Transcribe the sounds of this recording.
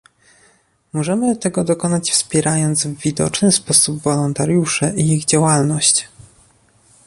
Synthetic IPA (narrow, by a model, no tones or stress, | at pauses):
mɔʐɛmɘt̪ɛɡɔd̪ɔkɔnat͡ɕfspʲjɛɾajɔnd̪zvːʲid̪ɔ̰t͡ʂnɘspɔsubvɔlɔnt̪aɾjuʂɘʔiiɣd͡ʑawalnɔɕt͡ɕ